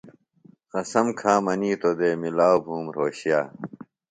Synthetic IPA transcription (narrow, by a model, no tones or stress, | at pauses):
qɐsɐmkʰaːmɐniːt̪od̪eːmilaːwobʱuːmɾoːɕjaː